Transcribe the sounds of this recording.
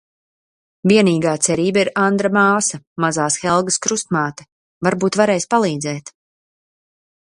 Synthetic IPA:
viɛniːɡaːt̪sɛɾiːbaiɾand̪ɾamaːsɐmazaːsxɛlˠɡɐskɾust̪maːt̪ɛ̥ | vaɾbuːt̪vaɾɛːjspalˠiːd̪zɛːt̪

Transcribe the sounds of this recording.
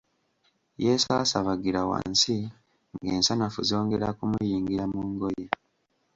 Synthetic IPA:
jesaːsaβaɡiɾawa̰nsi | ŋɡeːnsanafuzio̞ːŋɡe̞ɾakumujiːŋɡiɾamuŋɡoje

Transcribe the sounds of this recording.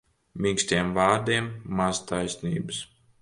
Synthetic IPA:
mʲĩŋksʲt̪iɛmvaːɾd̪iɛmːazt̪ajsʲnḭːbɨs

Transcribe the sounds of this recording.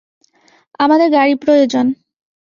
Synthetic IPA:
amad̪eɾɡaɽipɾojod͡ʑon

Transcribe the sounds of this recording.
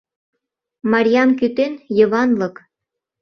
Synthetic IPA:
mɑɾʲijɑmkyt̪enjəβɑnlɤ̆k

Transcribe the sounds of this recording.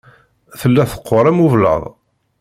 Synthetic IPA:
θəlːæθə̥qʰːoɾˤæmuvlə̰ðˤ

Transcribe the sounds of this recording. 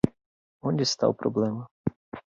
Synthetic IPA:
ɔnʲdʲist̪ɑ̰wpɾɔblˠɛmɐ

